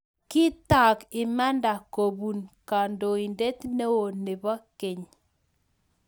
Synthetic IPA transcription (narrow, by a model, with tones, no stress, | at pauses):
kɪ˦t̪a˨kɪ˨ma˦nda˨ko˨bu˨nka˨ndo˨i˨nde˦t̪ne˦wo˨ne˨ba˦ke˨ɲ